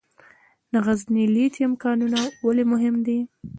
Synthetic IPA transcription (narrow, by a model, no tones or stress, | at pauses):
naɣaznilit̪amkɑnunawalemʊɦɪmd̪i